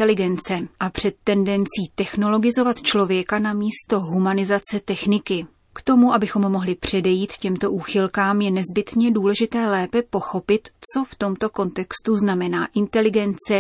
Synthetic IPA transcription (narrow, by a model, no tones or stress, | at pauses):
ɛlɪɡɛnt͡sɛʔapr̝̥ɛt̪ːɛndɛnt͡siːt̪ɛxno̞lo̞ɡɪzo̞vat̪t͡ʃlo̞vjɛkanamiːst̪o̞ɦumanɪzat͡sɛt̪ɛxnɪkɪ | kt̪o̞muʔabɪxo̞mːo̞ɦlɪpr̝̥ɛdɛjiːt̪cɛmt̪o̞ʔuːxɪlkaːmjɛnɛzbɪt̪ɲɛduːlɛʒɪt̪ɛːlɛːpɛpo̞xo̞pɪt̪t͡so̞ft̪o̞mt̪o̞ko̞nt̪ɛkst̪uznamɛnaːʔɪnt̪ɛlɪɡɛnt͡sɛ